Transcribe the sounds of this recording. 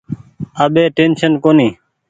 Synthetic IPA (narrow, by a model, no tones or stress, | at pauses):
aːɓeːʈeːnʃənkoːniː